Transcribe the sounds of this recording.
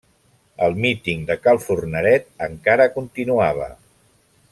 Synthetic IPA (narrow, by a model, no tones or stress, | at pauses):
əlˠmit̪iŋd̪əkalˠfurnəɾɛt̪̚əŋkaɾəkunt̪inuaβ̞ə̰